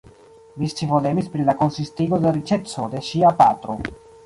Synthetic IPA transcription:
mist͡ʃivod̪emispɾilakonsist̪iɡod̪eɾit͡ʃet͡sod̪eʃiapat̪ɾo̰

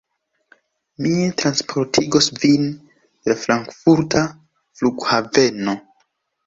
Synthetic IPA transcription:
mietɾanspʰo̞ɾtʰiɡo̞svin | d̥elafɾaŋkfuɾtʰa | fluɡhave̞no̞

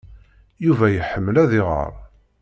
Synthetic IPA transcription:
juvæjəħəmːəlæðɪʁə̰ɾˤ

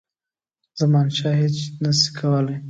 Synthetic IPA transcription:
zamɑnʃɑɦet͡ʃnasi̥kʰawəlaj

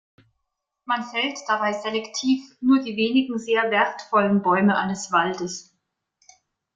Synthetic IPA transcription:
manfɛltd̥abaɪzelɛktʰiːfnuːɐdiːveːnɪɡŋ̩zeːɐvɛɐtfɔlənbɔʏməʔa̰ɪnəsv̥aldəs

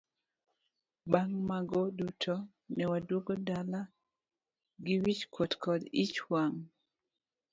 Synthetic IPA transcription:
baŋmaɡɔdutʰo | nɛwadwoɡodala | ɡɪwit͡ʃkʰwotkɔdit͡ʃwaŋ

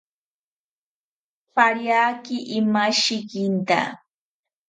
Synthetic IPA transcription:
paɾjaːkɪʔɪmaʃɪkɪnt̪a̰

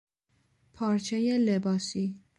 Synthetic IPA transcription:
pʰɒːɾt͡ʃʰejelebɒːsiː

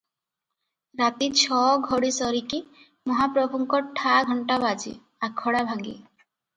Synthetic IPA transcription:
ɾat̪it͡ɕʰɔɡʱɔɽisɔɾiki | mɔɦapɾɔbʱuŋkɔʈʰaɡʱɔɳʈabad͡ʑḭ | aɾkʰːɔɽabʱaŋɡḭ

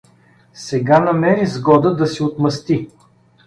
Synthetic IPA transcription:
sɛɡanɐmɛɾizɡɔd̪əd̪ɐsiot̪mɐst̪i

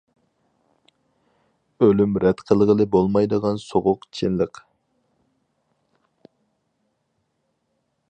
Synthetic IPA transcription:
ølymɾɛt̪qʰəlˠəʁəlˠɨbolˠmɑjd̪əʁɑnsoʁʊqt͡ʃʰinlˠəq

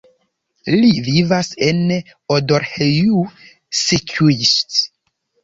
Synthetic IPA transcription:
livivasen | odoɾheju | sit͡ʃuist

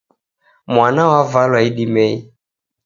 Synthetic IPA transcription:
mwanawavalwaiɗimɛi

